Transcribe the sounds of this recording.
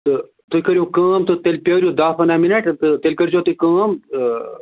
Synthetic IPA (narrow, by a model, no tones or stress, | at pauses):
t̪ɨ | t̪ujkɐɾjuːkɐːmt̪ɨt̪elʲpʲɐːɾʲjoːd̪aːfɐnaːminɐʈt̪ɨt̪elʲkɐɾd͡ʒoːt̪ɨkɐːmɨ